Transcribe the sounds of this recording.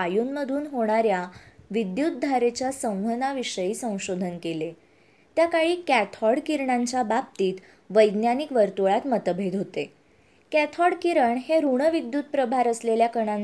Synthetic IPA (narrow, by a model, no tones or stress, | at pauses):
ajuːnməd̪ʱuːnɦoɽ̃aɾjaʋid̪jut̪̚d̪ʱaɾet͡ɕjasə̃w̃ʋənaʋiʂəjiːsə̃w̃ɕod̪ʱənkele | t̪jakaɭiːkætʰɔɽkiɾɳaɲt͡ɕabap̚t̪iːt̪ | ʋəjd̪njanikʋəɾt̪oɭat̪mət̪əbʱed̪ɦot̪e | kæt̪ʰɔɽkiɾəɳɦeɾuɳəʋid̪jut̪̚pɾəbʱaɾəsleljakəɳan